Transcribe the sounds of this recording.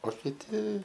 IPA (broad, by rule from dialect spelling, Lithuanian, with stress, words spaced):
oː kʲɪˈtʲɪ